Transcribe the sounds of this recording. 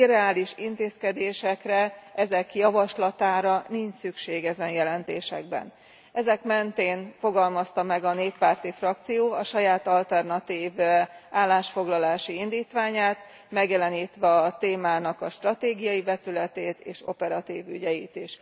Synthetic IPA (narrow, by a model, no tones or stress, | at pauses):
irɛaːliʃint̪eːskɛd̪eːʃɛkrɛʔɛzɛkjɒvɒʃlɒt̪aːɾɒniɲt͡ʃsykʃeːɡɛzɛnjɛlɛnt̪eːʃɛ̰ɡ̚bɛ̰n | ɛzɛkmɛnt̪eːnfo̞ɡɒlmɒst̪ɒmɛɡɒneːpːaːrt̪ifrɒkt̪sijoːɒʃɒjaːt̪ɒlt̪ɛrnɒt̪iːvaːlːaːʃfo̞ɡlɒlaːʃiind̪iːt̪ʋaːɲaːt̪ | mɛɡjɛlɛniːt̪ʋɛɒt̪eːmaːnɒkɒʃt̪rɒt̪eːɡijɒibɛt̪ylɛt̪eːt̪eːʃo̞̰pɛɾɒt̪iːvy̰ɟɛjiːt̪iʃ